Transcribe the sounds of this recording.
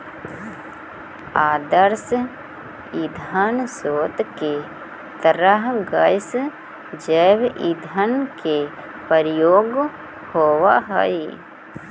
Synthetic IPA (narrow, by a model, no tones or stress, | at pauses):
aːd̪əɾs | id̪ʱansoːt̪ke | t̪əɾəɦɡəjs | d͡ʒɛːbḭd̪ʱənke | pəɾjoːɡ | hoːwaɦə̰i